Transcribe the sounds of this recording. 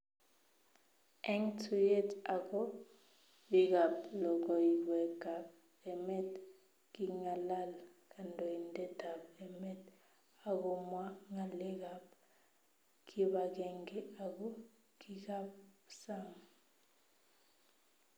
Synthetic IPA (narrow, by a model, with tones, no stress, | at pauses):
ɛ˦ŋtʰu˨jɛ˦ta˨kɔ˦ | bi˦k̬a˨plɔ˨k̬ɔ˨jiwɛ˨ɡ̥ʱa˨b̚ | ɛ˨mɛ˦t | ki˨ŋa˨la˦la˨kʰa˨ndʱɔ˨i˨ndɛ˦d̥ʱa˨bɛ˨mɛ˦t | a˨k̬ɔ˦mwa˦ŋa˨lɛ˦ka˨b̚ | kʰi˦ɓa˨k̬ɛ˨ŋɡɛ˦a˨kɔ˦ | ki˦ka˦p̚sa˦˨ŋa